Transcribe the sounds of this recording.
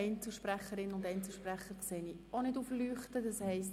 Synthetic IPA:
ɛɪnt͡səl̩ˠʃpɾæχəɾɪnʊndɛɪnt͡sl̩ˠʃpræχːəɾkseːnionɪduːflyːχtədɑshɛɪst

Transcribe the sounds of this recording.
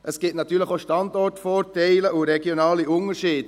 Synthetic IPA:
ʔəsɡ̥ɪːtnɑtːyːɾləχoʃtɑndɔrtfɔːtɛɪləʔuɾɛɡjonɑːliʊnəɾʃiːd̥

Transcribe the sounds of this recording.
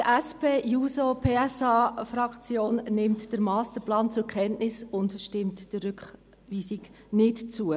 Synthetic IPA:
tæspeːjuːsopʰeːɛsɑːfɾɑkt͡sjoːnnɪmtd̥əɾmɑːst̪əɾplɑːnt͡sʊkχɛntnɪsʊndʃtɪmtd̥əɾʏkχ | ʋiːsik | nɪtt͡suə

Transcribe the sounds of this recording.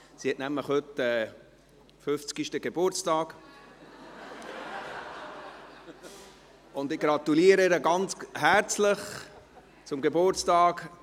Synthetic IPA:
sihɛtnæmləχhøtɛː | fʏft͡skiʃtəɡebʊɾt͡stɑːɡ̥ | ʊndɪɡ̥ɾɑt̪uliːəɾəeɾəɡɑnt͡shæɾt͡sləχ | t͡sʊmɡebʊɾt͡stɑːɡ

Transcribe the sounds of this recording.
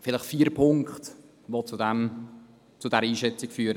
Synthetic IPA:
fɪləχfiːɾpʰʊŋkχt̪ | ʋot͡sudɛm | t͡sʊdɛɾəiːʃɛt͡sɪkfyːɾə

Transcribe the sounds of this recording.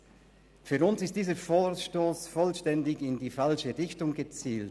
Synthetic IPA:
fyːɾʊnsɪst̚d̥iːzəfoːʃtoːsfɔlʃtɛndɪɡɪndiːfalʃəʁɪçtʊŋɡət͡siːlt

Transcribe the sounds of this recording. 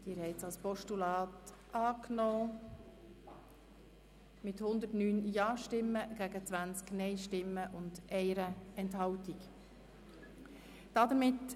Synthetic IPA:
d̥ɪːɾhɛɪt͡sɑlspɔʃtulɑːt | ʔɑːknɔː | mɪthʊnd̪ətnyːnjɑːʃtɪmːəɡ̥æɡət͡sʋænt͡sknɛɪʃtɪmːəʔʊndʔɛɪɾəɛnthɑʊtik | d̥ɑd̪əɾmɪt

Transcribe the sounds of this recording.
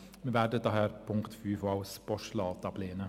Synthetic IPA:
mɛʋæːɖət̪ːɑhæːɾpʰʊŋkt̪fʉːfɑʊspɔʂlɑːt̪ɑpʰleːnə

